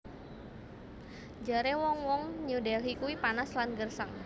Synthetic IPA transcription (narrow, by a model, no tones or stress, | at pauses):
d͡ʒaɾewɔŋwɔŋɲudɛɦikuwipanaslanɡərsəŋ